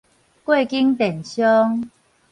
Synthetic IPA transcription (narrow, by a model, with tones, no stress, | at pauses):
kwe˥˨ki˦ŋt̪ɛ˨˩nɕjɔ˦ŋ